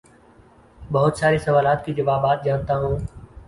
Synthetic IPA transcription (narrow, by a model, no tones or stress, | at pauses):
bɐɦʊt̪saːɾesɐʋaːlaːt̪kid͡ʒɐʋaːbaːt̪̚d͡ʒaːnt̪aɦũː